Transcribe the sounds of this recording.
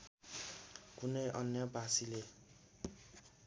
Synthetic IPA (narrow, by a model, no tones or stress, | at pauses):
kunʌjʔʌnjʌbasile